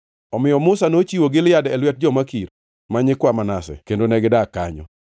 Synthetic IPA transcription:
ɔmɪjɔmʊsanot͡ʃiwoɡɪljadɛlwɛt̚d͡ʒɔmakiɾ | maɲɪkwamanasɛ̰kendonɛɡɪdaka̰ɲɔ̰

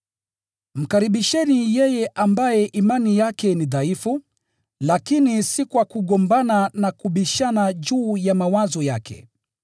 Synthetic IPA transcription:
m̩kaɾiɓiʃɛnijɛjɛʔambajɛʔimanijakɛniðaifu | lakinisikwakuɠɔmbananakuɓiʃanaʄuːjamawazɔja̰kʰɛ̰

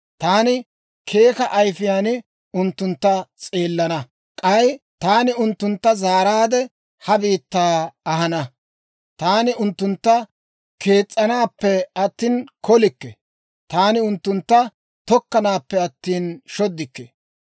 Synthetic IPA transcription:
t̪aːnɪ | kʰe̞ːkɐʔɐjfɪjaːnɪ | ʊnt̪ːʊnt̪ːɐt͡sʼe̞ːlːɐnɐ | kʼɐjt̪aːnɪʊnt̪ːʊnt̪ːɐzaːɾaːd̪ɛ | hɐbiːt̪ːaːɐɦɐnɐ | t̪aːnɪʊnt̪ːʊnt̪ːɐ | kʰe̞ːt͡sʼːɐnaːpːɛɐt̪ːiːnkɔlɪkːɛ | t̪aːnɪʊnt̪ːʊnt̪ːɐ | t̪ɔkːɐnaːpːɛɐt̪ːiːnʃɔd̪ːɪkːɛ

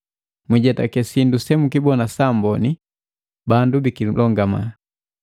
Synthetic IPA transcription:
miɟɛtakɛsindusɛmukibɔnasambɔni | bandubikilʔɔŋɡama̰

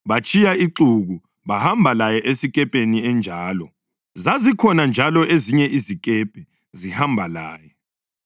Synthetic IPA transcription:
βat͡ʃʼijaiǁuɣu | βahambʱalajɛʔesikʼɛpʼeniɛnd͡ʒʱaːlɔ | zazikʰɔnand͡ʒʱalɔʔeziɲɛʔizikʼɛpʼɛ | zihambʱalaːjɛ

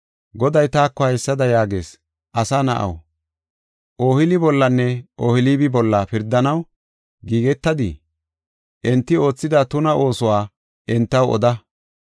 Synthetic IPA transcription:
ɡɔd̪ɐjt̪aːkːɔhɐjsːɐd̪ɐjaːɡeːs | ʔɐsanɐ̰ʔɐ̰w | ʔoːhɪlɪbɔlːɐnːɛʔoːhɪliːbɪbɔlːɐpɪɾd̪ːɐnɐw | ɡiːɡɛt̪ːɐd̪i | ʔɛnt̪ːɪo̞ːt͡sːɪd̪at̪ʊnɐʔo̞ːsɔwaː | ʔɛnt̪ːɐwɔ̰d̪ɐ

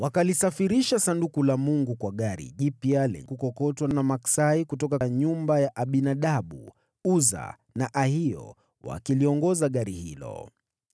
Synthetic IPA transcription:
wakalisafiɾiʃasandukulamuŋɡukwaɠaɾḭʄipialɛ̰kukɔkɔtwanamaksaikutɔkaɲumbajaʔaɓinaɗaɓu | uza̰ | naʔahiɔ̰ | wa̰kiliɔŋɡɔzaɠaɾihḭlɔ̰

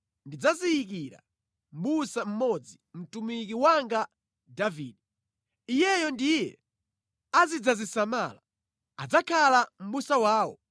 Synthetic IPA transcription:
ndid͡zaziːk̬iɾa̰ | m̩ɓusam̩mɔd͡zim̩tumik̬iwaŋɡa | daviːdɛ | ijɛjɔndijɛ | azid͡zazisama̰ːla | a̰d͡zakʰalam̩ɓusawaːwɔ̰

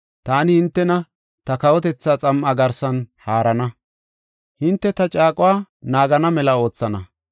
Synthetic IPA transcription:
t̪aːnɪhɪnt̪ːɛnɐ | t̪ɐkɐwɔt̪ɛt͡sːaːt͡sʼɐmʔɐɡɐɾsɐnhaːɾɐnɐ | hɪnt̪ːɛt̪ɐt͡ʃʼaːkʼʊwaː | naːɡɐnɐmɛlɐo̞ːt͡sːɐnɐ

